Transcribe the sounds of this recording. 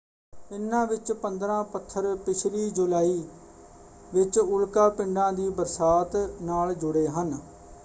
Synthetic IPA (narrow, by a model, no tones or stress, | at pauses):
ɪnːãːʋɪt͡ʃpə̃nd̪ɾãːpət̪ʰːəɾpɪʃʰliːd͡ʒʊlaːiː | ʋɪt͡ʃʊlkaːpɪ̃ɳɖãːd̪iːbəɾsaːt̪naːld͡ʒʊɽeːɦən